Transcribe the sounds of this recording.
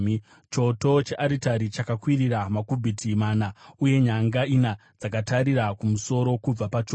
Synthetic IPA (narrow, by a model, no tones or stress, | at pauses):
t͡ʃo̞to̞t͡ʃeʔaɾitaɾit͡ʃakakwiriɾamakubʱitʰimaːnauje̞ɲaŋɡainad͡zakataɾiɾakumuso̞ɾo̞kub͡vapat͡ʃo